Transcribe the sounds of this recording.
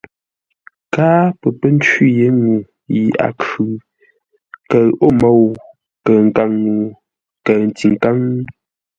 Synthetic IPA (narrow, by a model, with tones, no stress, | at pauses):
kaː˦pə˨pə˦n˦t͡ʃi˦je˦ŋu˨ | ji˨a̰˨kʉ˨ | kə˨o˦mo˦˨w | kə˨ŋ̩˨ka˦˨ŋːu˨ | kə˨n˨ti˨ŋ˨ka˦ŋ˦